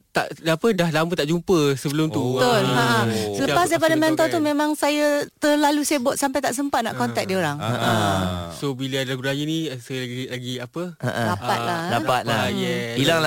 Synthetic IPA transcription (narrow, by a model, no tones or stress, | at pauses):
t̪aʔapədahlamət̪aʔd͡ʒumpəsəbəlʊmt̪ut̪olaʔəsələpasdajpadamɛnt̪at̪umẽmaŋsajat̪ərlalusajəbɔt̪sampajt̪aʔs̬əmpat̪̚na̰ʔkɔnt̪ɛk̚dioɾaŋəəsobilədalaɡuɾajənisajlaɡilaɡiapəəʔəlapat̪̚lalaat̪̚ajɛilaŋ